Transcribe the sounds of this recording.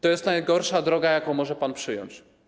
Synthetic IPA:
t̪ɔjɛst̪najɡɔɾʂad̪ɾɔɡajakõw̃mɔʐɛpanpʂɘjɔ̰ɲt͡ɕ

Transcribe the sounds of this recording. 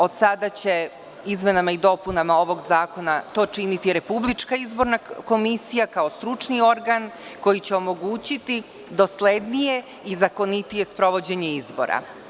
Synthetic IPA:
o̞d̪sad̪at͡ɕe̞ | izme̞namaid̪o̞punamao̞ʋo̞ɡzaːko̞nat̪o̞ːt͡ʃinit̪iɾe̞publˠit͡ʃkaizbo̞ɾnako̞misijakao̞st̪ɾut͡ʃnio̞ɾɡanko̞jit͡ɕe̞o̞mo̞ɡuːt͡ɕit̪i | d̪o̞sle̞d̪nije̞ | izako̞nit̪ije̞spɾo̞ʋo̞d͡ʑe̞ɲe̞izbo̞̰ɾa̰

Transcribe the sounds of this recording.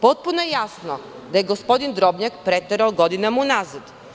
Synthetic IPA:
pɔt̪̚punɛjasno | d̪aɛɡospɔd̪ind̪ɾɔbnʲakpɾɛt̪ːɛɾəlˠɡɔd̪inamunazət̪

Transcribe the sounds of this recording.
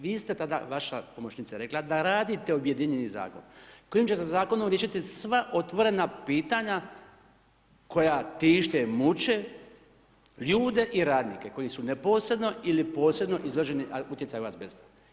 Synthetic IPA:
ʋiːst̪e̞t̪ad̪a̰ʋaʃa̰pomot͡ʃnit̪saɾe̞klad̪aɾaːd̪it̪e̞obje̞d̪iɲeniza̰ːko̞̰nko̞jimt͡ɕesazaːko̞nomɾjeʃit̪isʋaʔo̞t̪ʋo̞ɾe̞napiːt̪aɲa | ko̞jat̪iːʃt̪emut͡ɕe̞ | ʎuːd̪e̞ʔiɾaːd̪nḭːkeko̞jisunepo̞ːsɾe̞d̪no̞ilipo̞ːsɾebno̞ʔizoʒeniaut̪jetsajuʋasbest̪ḁ

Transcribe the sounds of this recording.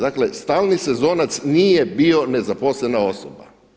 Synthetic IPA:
d̪aklest̪aːlˠnise̞zo̞ːnat̪sniːjebio̞ne̞zaposlenao̞soba̰

